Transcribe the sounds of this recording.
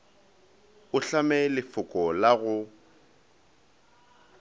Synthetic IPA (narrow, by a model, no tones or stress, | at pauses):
ʊɬamɛlɪfʊkʼɔlaɣʊ